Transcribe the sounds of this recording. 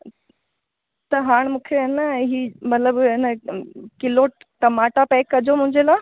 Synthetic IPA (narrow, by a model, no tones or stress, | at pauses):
t̪ɐɦaːɽ̃mũːkʰeɐnəɛ̃ːɦiːmɐt̪ləbɪnəkɪlo | ʈɐmaːʈapɛːkːɐd͡ʑomʊ̃ɦɪ̃ɲd͡ʑelaː